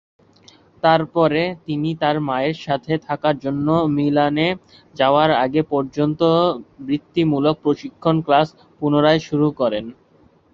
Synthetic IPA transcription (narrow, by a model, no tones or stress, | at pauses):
t̪aɾpɔɾet̪init̪aɾmaeɾʃat̪ʰet̪ʰakaɾd͡ʑonːomilane | d͡ʑaoaɾa̰ɡepɔɾd͡ʑont̪obɾit̪ːimulok̚pɾoʃikʰːonklas | punoɾaeʃuɾukɔɾen